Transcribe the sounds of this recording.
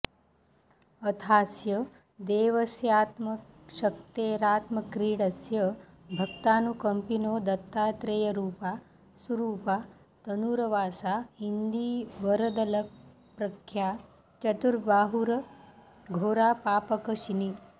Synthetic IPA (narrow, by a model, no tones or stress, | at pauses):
ɐt̪ʰaːsjɐ | d̪eːʋɐsjaːt̪mɐ | ʃɐk̚t̪eːɾaːt̪mɐkɾiːɽɐsjə | bʱɐk̚t̪aːnukɐmpinoːd̪ɐt̪ːaːt̪ɾejɐɾuːpaː | suɾuːpa | t̪ɐnuːɾɐʋaːsaɦind̪iːʋɐɾɐd̪ɐlɐk | pɾɐkʰːjaː | t͡ʃɐt̪uɾbaːɦuɾɐ | ɡʱoːɾaːpaːpɐkɐʃini